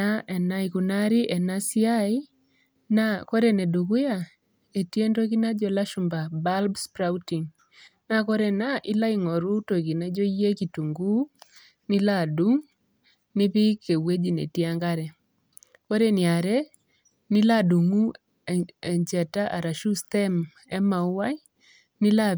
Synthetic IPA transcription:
aɛ˨na˦iku˨na˦ɾi˦ʔɛ˨na˦si˦a˦i˦ | nakɔ˦ɾɛ˦ne˨du˨kʊ˦ja˨ | e˨tje˦ndo˦ki˦na˦d͡ʒɔ˨la˦ʃu˨mba˨ba˦lbspɾauti˨ŋ | na˦kɔ˦ɾɛ˨naʔɪ˦la˦i˨ŋɔ˨ɾu˦to˨ki˨na˦d͡ʒɔ˦jːe˦kitu˨ŋɡu˦ | nɪ˦la˦˨du˦ŋ | nɪ˦βɪ˦kːe˨we˦d͡ʒi˨nḛ˨ti˦a˦ŋɡa˦ɾɛ˨ | kɔ˦ɾɛ˦nɪ˨a˨ɾɛ˦ | nɪ˦la˦du˨ŋu˦ | ɛ˨ɲt͡ʃɛ˨ta˦ʔa˨ɾa˨ʃu˦stɛ˦m | ɛ˦ma˨u˦wa˦i˦ | nɪ˦la˦

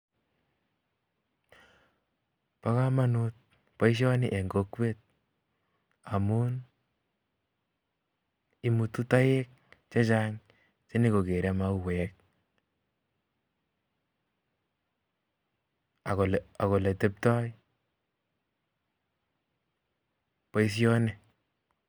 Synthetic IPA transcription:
pa˦ka˦ma˦nut̚ | pa˦i˦ʃ̬ɔ˦ni˦ʔe˨ŋɡokwe˦t̚ | a˨mu˦n | i˦mu˨tu˦ta˦je˦k̚t͡ʃe˦t͡ʃaŋ | t͡ʃe˦ni˦ko˨ke˨ɾɛ˦ma˦u˨wɛ˨k̚ | a˨kola˨ko˨le˨te˦p̚tɔ˦j | pa˦i˦s̬jɔ˦ne

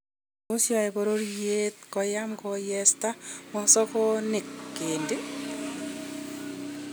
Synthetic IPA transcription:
o˦sjɔ˨ɛ˨bo˨ɾo˦ɾje˦t̪̚kɔ˨ja˦mkɔjɛsta˦mɔ˨sɔ˦kɔ˦nɪ˨kːɪndɪ˦

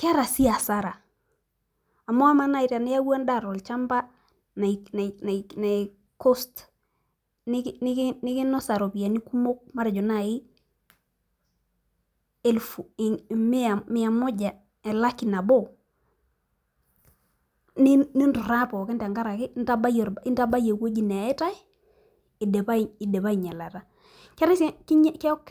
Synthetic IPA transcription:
ka˦ɾa˨si˦a˨sa˦ɾa˨ | a˨mɔ˦a˦ma˦na˦i˨ɾa˨nɪ˦ja˦wa˦nda˦˨ɾɔ˨lt͡ʃa˦mba˦ | na˨na˨na˨na˨ | ko˦st | nɪ˦knɪ˦knɪ˦kɪ˦nɔ˦sa˨ɾo˨pi˨a˨ni˦ku˦mo˦k̚ma˦ɾd͡ʒo˨na˦˨ɪ˦ | e˦lfu˨m˦a˨mɪ˦a˨mo˦d͡ʒa˨ | ɛ˨la˦ki˨na˨bo˦ | ni˦ni˦ntu˨ɾa˦pɔ˨kɪ˦nta˨ŋɡa˦ɾa˨kɪ˦nta˦ba˦jɔ˨ɾi˦nta˦ba˦je˨ko˦d͡ʒi˦˨ne˨ɪ˦ta˦ɪ˦ | i˨de˨pa˦˨i˨de˨pa˦i˨ɲa˨la˨ta˦ | kɛ˦ɾɪ˦ski˦ɲ˦kɛ˦ɔ˦k

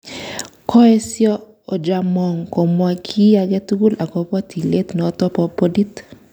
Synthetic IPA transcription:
kʰɔ˦e˦sjɔ˦ | o˨d͡ʒa˨mɔ˨ŋko˨mwa˨kʰi˦a˨ɡɛ˦tu˦ɡu˦la˨ɡɔ˨pɔ˦tʰi˨le˦tn˨ɔ˨˦tɔ˦pɔ˦po˦di˦t

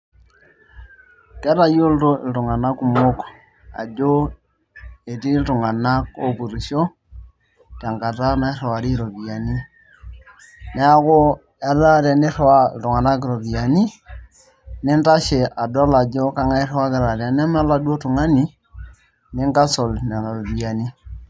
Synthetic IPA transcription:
kɛ˦ɾa˨jo˦lto˦ɪ̰˨ltu˨ŋa˨na˦ku˨mo˦k | a̰˨d͡ʒo˦ | e˨ti˦ltu˨ŋa˨na˦ko˨pu˨ɾi˨ʃo˦ | ta˨ŋka˨ta˦na˦rɔ˨wa˨ɾi˦ɾo˨bi˨ja˨ni˦ | nɛ˦a˦ko˦ | ja˦lla˦ɾa˨nɪ˦rwa˦ɪ˨ltʊ˨ŋa˨na˦kɪ˨ɾo˨bi˨ja˨ni˦ | nɪ˦nta˦ʃe˨ʔa˨dɔ˦la˨d͡ʒo˦ka˦ŋa˦rwa˦kɪ˦ɾa˨ɾa˨˦n˦a˦m˦a˦la˦dwo˦tu˨ŋa˦ni˨ | nɪ˦ŋɡa˦so˨ln˨a˨la˨bi˨ja˨ni˦

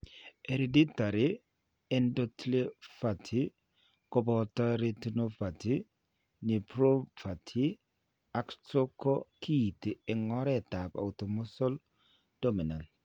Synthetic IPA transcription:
e˨ɾe˨di˦ta˨ɾɪ˦ | ɛ˦ndɔ˦tle˦fa˨tʰi˨˦ | kɔ˦bɔ˨ta˦ɾe˦tu˦no˦pa˨ti˦ | nɪ˨pɾo˦pʰa˨tʰi˦ | a˨kt͡ʃo˦kɔ˦ki˦˨te˨ɛ˨ŋɔ˦ɾɛ˦˨ta˨pa̰˨ʊ˨tɔ˨mɔ˦sɔ˦l | d̥o˦mi˨na˨nt

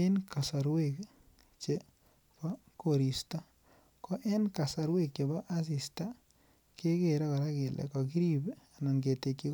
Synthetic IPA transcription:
e˦nka˨sa˨ɾwe˦˨k | t͡ʃe˨ | pɔ˦ko˨ɾi˨sta˦ | kɔ˦ʔe˦nka˨sa˨ɾwe˦k̚t͡ʃe˨ba˦ʔa˦s̬i˨sta˦ | ke˦ke˨ɾa˦ka˨ɾa˦kɪ˨lɛ̰˨kɔ˨k̬i˦ɾi˦ba˨nɔ˨nɡe˨te˨kːi˦

